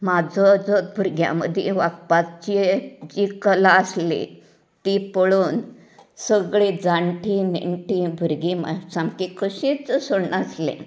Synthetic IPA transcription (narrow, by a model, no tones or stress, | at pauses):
mad͡zʱɔd͡zɔt̪̚bʱuɾɡjã̰mə̰d̪ʱjeʋakpat̚t͡ɕied͡ʑikəlaəslḛ | t̪ipəɭuːn | səɡɭed͡zaɳʈʰinḭɳʈʰĩbʱuɾɡima̰samkikəɕĩt͡səsəɽnaslḛ̃